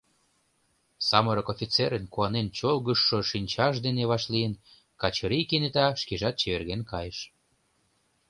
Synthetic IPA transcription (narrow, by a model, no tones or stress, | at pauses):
sɑməɾəkofʲit͡seɾənkuɑnent͡ɕolɣə̆ʃːoʃinʲt͡ɕɑʃd̪eneβɑʃlijən | kɑt͡ɕəɾikenet̪ɑʃkeʒɑt̪̚t͡ɕeβerɣenkɑjeʃ